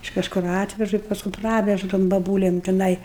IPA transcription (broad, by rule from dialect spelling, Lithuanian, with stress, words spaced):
ɪʃ kɐʃˈkʊr ˈɑːtʲʋʲɛʒʊ ɪ pɐsˈkʊm ˈprɑːʋʲɛʒʊ toːm bɐˈbuːlʲɛm tʲɪˈnɐɪ